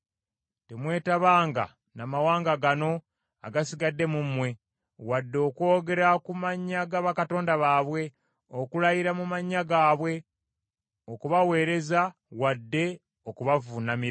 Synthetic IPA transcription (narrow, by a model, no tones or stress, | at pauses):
te̞mwe̞ːtaβaːŋɡa̰ | namawaːŋɡaɡano̞ | a̰ɡasiɡadːe̞mumwe̞ | wadːo̞ːkwo̞ːɡe̞ɾakumaɲːaɡaβakato̞ːndaβaːβwe̞ | okulajiɾamumaɲːaɡaːβwe̞ | okuβawe̞ːɾe̞za | wadːe̞ | okuβavunamiɾa